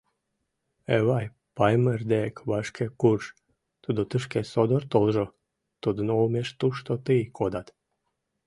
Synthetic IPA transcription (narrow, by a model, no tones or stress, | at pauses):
eβɑj | pɑjməerd̪ekβɑʃkʰekurʃ | t̪ud̪ot̪əʃkesod̪ort̪olʒo | t̪ud̪ənoumeʃt̪uʃt̪ot̪ɨjkʰod̪ɑt̪